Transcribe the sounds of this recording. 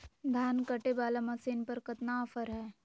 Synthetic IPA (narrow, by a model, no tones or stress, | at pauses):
d̪ʱaːnkɐʈebaːlamɐsiːnpɐɾkɐt̪naɐfəɾɦɛː